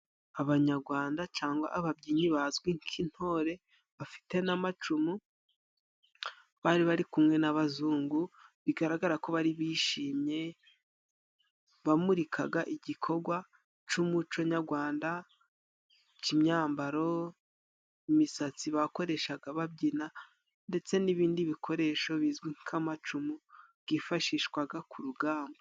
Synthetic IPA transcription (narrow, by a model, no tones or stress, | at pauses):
aβaɲaɾɡwaːndat͡ʃaːŋɡwa̰ʔaβabɟiːɲiβazɡwiŋkʰin̥ho̞ːɾe̞ | βafi̥te̞namat͡ʃumu | βaɾiβaɾikumŋenaβazuːŋɡuβiɡaɾaɡaɾako̞βaɾiβiːʃiːmɲe̞ | βamuɾikʰaɡaʔiɟikʰo̞ɡwa | t͡ʃumut͡ʃo̞ɲaɾɡwaːnda | cimɲaːmbaɾo̞ | imisat͡siβako̞ɾe̞ʃaɡaβab̚ɟina | nde̞t͡se̞niβiːndiβikʰo̞ɾe̞ʃo̞βizɡwiŋkʰamat͡ʃumuβɡifaʃiːʃkwaɡakʰuɾuɡaːmbo